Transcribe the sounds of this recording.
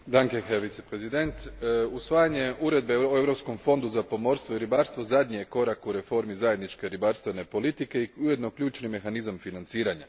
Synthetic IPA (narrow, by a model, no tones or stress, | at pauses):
d̪aŋke̞xeʋit̪sepɾe̞zid̪e̞nt̪usʋaːjaɲe̞uɾe̞d̪̚beoeʋɾo̞psko̞mfo̞nd̪uzapo̞mo̞ɾst̪ʋo̞iɾibaɾst̪ʋo̞zad̪ɲijeko̞ɾakuɾe̞fo̞ɾmizaje̞d̪nit͡ʃke̞ɾibaɾst̪ʋe̞ne̞po̞lit̪ike̞iuje̞d̪no̞kʎuːt͡ʃnime̞xanizamfinant̪siːɾaɲa